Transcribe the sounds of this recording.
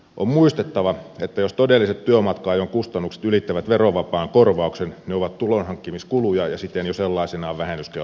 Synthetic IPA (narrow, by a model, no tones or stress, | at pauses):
ʔommuist̪et̪ːɑʋɑet̪ːæjost̪odelːiset̪t̪yømɑt̪kɑːjoŋkust̪ɑnːukse̥t̪ylit̪ːæʋæt̪ʋeroʋɑpɑːŋkorʋɑˑuksenneoʋɑt̪t̪ulonhɑŋkːimiskulujɑjɑsit̪ːˑenjoselːɑisenɑːʋʋæhenːyske